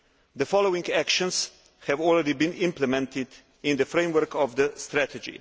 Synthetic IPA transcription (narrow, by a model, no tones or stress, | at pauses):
d̪əfɔlowĩŋɡækʃɔ̃ns | hɛvɔlɹɛdibĩnɪ̃mplɛmɛ̃nt̪ɪd̪ | ɪ̃nd̪əfɾẽmwəɾkɔvd̪əst̪ɾæt̪ɛd͡ʒḭ